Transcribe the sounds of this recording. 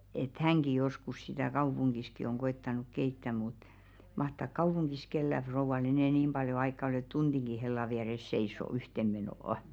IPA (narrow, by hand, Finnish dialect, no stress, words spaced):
et hæŋɡ̊i joskus sitæˑ kɑupuŋɡ̊iski oŋ ɡ̊oetːɑnuk keitːæ mut mɑhtɑˑk kɑupuŋɡ̊is kelːæ frouʋɑl enɛˑ nim b̥ɑljo ɑikːɑ ŏl et tund̥iŋɡ̊i helːɑ ʋiæres seisˑo yhtem̆ menoˑŏ